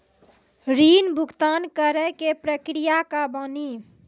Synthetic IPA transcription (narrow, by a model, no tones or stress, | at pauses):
ɾinbʱuɡt̪ankəɾɛkepɾəkɾijakabəni